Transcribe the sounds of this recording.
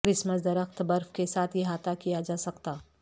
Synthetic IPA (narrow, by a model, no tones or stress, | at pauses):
kɾɪsməsd̪ɐɾəxt̪bɐɾfkesaːt̪ʰjeɦaːt̪ʰakijad͡ʒaːsɐkt̪aː